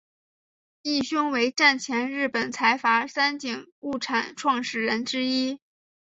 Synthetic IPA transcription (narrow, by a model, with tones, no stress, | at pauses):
i˥˩ɕʊ˥ŋwe˧˥ɪʈ͡ʂa˥˩nt͡ɕʰjɛ˧˥nɻɻ̩˥˩pə˨˩nt͡sʰa˧˥ɪfa˧˥sa˥nt͡ɕi˨˩ŋu˥˩ʈ͡ʂʰa˨˩˦nʈ͡ʂʰwɑ˥˧ŋʂɻ̩˥˩ɻə˧˥nʈ͡ʂɻ̩˥i˥